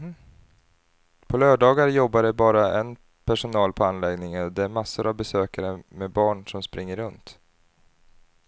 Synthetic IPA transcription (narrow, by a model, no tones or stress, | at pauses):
pʰɔlœːɖɑːɡaɾjɔbːaɖɛbɑːɾaɛn | pʰæʂʊnɑːlpʰɔanlɛɡnɪŋənɔd̪ɛæɾmasːʊɾavbɛsøːkaɾəmɛbɑːɳʂɔmspɾɪŋːəɾɵnt̪